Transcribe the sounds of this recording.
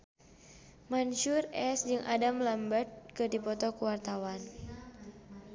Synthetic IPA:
manʃurɛsd͡ʒɨŋʔadamlambət̪̚kɨdipɔt̪ɔkuwart̪awan

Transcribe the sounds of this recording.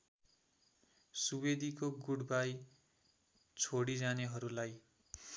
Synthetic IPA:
subed̪ʱikoɡuɽbaj | t͡sʰoɽid͡zaneɦʌɾulaj

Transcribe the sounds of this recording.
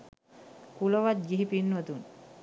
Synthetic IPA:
kuloʋat̪̚d͡ʒiɦipinːuwət̪un

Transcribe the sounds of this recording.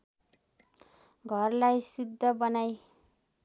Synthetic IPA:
ɡʱʌrlajsud̪ʱːʌbʌnaj

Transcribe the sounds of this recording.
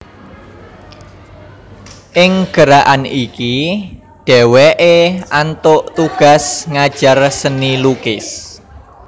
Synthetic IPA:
ʔɪŋɡ̥əɾaʔaniki | ɖ̥ɛwɛʔeant̪ʊʔt̪uɡ̥a̤sŋad̥ʒ̥a̤rsənilukɪs

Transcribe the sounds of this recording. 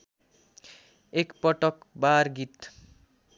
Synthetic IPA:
ekpʌʈʌkbaɾɡit̪

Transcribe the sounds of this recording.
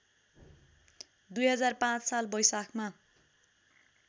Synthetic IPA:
d̪ujɦʌd͡zarpãt͡ssalbʌjsakʰma

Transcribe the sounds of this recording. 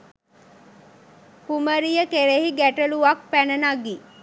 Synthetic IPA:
kuməɾijəkeɾeɦiɡæʈəluʋak̚pænənaɡi

